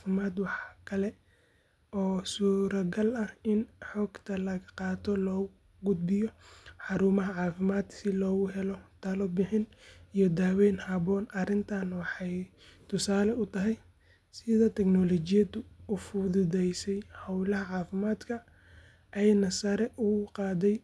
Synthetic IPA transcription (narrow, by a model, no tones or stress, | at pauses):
fɪmaːd̪wɑħkʰɐlɛ | ɔːsuːɾɐɡɐlɐhɪnħɔːɡt̪ʰɐlɐɣɐqɑːt̪ʰɔlɔːɣʊ | ɡʊd̪̚bɪjɔħɑɾuːmɐɦɐʕɑːfɪmaːd̪sɪlɔːɣʊɦɛlɔt̪ʰɐlɔbɪħɪnijɞd̪aːwɛːnhɐbɔːnɐrɪnt̪ʰaːnwɑħɑj | t̪ʰʊsaːlɛʊt̪ʰɐɦɛj | sɪðɐt̪ʰɛknɔlɔt͡ʃɪjɐd̪ʊːfʊðʊðɛjsɛjhɐwlɐɦɐʕɑːfɪmaːd̪kʰɐ | ʔɛjnɐsɐɾɛʔʊqɑːd̪ɛj